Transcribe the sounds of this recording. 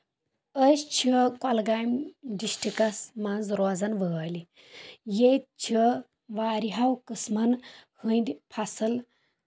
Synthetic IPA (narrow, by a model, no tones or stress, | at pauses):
əst͡ʃʰikɔlɡaːjmdiʃʈʰikɐsmɐnzɾoːzɐnʋəaːli | jet̪̚t͡ʃʰi | ʋaːɾiɦɐwkɨsmɐnhɨnd̪ʲpʰasɨl